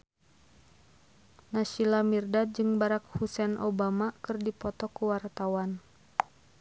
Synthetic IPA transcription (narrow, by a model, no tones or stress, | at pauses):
naʃilamirdad͡ʒɨŋbaɾak̚husɛnʔobamakɨrdipɔt̪ɔkuwart̪awan